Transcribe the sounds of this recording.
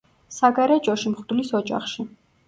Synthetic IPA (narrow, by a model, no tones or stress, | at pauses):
saɡaɾɛt͡ʃʼɔʃimχd̪lisɔd͡ʒʼa̰χʃi